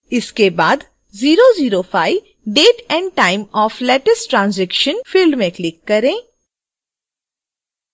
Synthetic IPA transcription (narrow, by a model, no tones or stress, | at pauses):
ɪskebaːd̪ | ziːɾoziːɾofaːiʋ | ɖeːʈɛ̃ːɳɖ̚ʈaːɪmɔːflɛːʈəsʈʈɾãːnzɛkʃənfɪlmẽklɪkːɐɾẽː